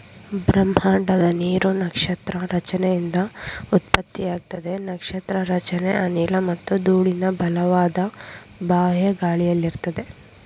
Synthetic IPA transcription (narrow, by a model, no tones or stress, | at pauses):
bɾɐm̤ɦaːɳɖɐd̪ɐniːɾunɐkʂɐt̪ɾɐɾɐt͡ʃɐnɛjind̪ɐut̪̚pɐt̪ːijaːɡ̚t̪ɐd̪e̞nɐkʂɐt̪ɾɐɾɐt͡ʃɐnḛʔɐniːlɐmɐt̪ːud̪uːɭinɐbʱɐlɐʋaːd̪ɐ | baːɦjɐɡaːɭijɐlːiɾt̪ɐd̪e̞